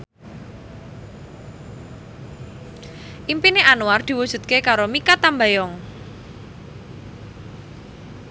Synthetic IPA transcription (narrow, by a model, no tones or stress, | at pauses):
ʔimpineʔanuard̪̥i̤wud̥ʒ̥ṳt̪̚kekaɾomikat̪ambajɔŋ